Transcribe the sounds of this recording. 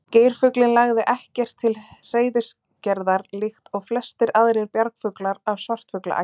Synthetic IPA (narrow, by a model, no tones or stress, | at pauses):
ceːjɾ̥fʏklɪnlaɣðɪʔɛhcɛr̥t̪ʰːɪlr̥eːjðɪs | cɛɾðaɾlixt̪ɔɣflɛst̪ɪɾaðɾɪɾpjaɾkfʏklaɾavsvar̥t̪fʏkla̰ʔa̰